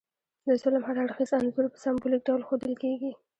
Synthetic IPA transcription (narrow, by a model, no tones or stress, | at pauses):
d̪əzʊlɪmhaɾaɽxizanzʊɾpəsambolik̚ɖawlxod̪əlkeɡi